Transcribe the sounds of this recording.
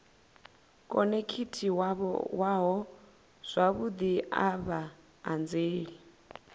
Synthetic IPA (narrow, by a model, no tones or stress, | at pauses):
kʼɔnekʰitʰiwaβɔ̰waɦɔ | z̥ʷaβud̪iaβa | and͡zeːɺi